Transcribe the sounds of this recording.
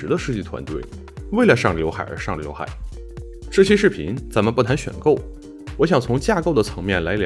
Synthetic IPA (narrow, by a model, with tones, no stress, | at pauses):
ɻ̩˧˥d̪ə˧ʂɻ̩˥˧t͡ɕi˥˩t̪ʰwa̰˧˥nt̪we˥˩ɪ | we˥˩ɪlə˩ʂɑ˥˩ŋljo˧˥xa̰˨˩ɪʔə̰˞˧˥ʂɑ˥˩ŋljo̰˧˥ʊxa̰˨˩˦ɪ | ʈ͡ʂɤ˥˩ɕɛ˥ʂɻ̩˥˩pʰḭ˧˥nt͡sa˧˥nmə˧pu˥˩t̪ʰa˧˥nɕɥɛ̰˨˩nko˥˩ʊ | wɔ˧˥ɕ̬jɑ˨˩ŋt͡sʰʊ˧˥ŋt͡ɕja˥˧ko˥˩ʊd̪ə˩t͡sʰɤ˧˥ŋmjɛ˥˩nla˧˥ɪlj